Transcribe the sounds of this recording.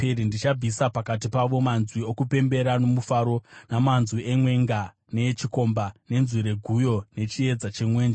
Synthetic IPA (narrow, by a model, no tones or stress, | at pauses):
eɾindit͡ʃab͡visapakat̬ipaʋo̞manzwiokupe̞mbe̞ɾano̞mufaɾo̞namanzwiemwe̞ŋɡa | net͡ʃiko̞mbane̞nziɾe̞ɡʱujo̞ne̞t͡ʃie̞d͡zat͡ʃemwe̞ːnd͡ʒe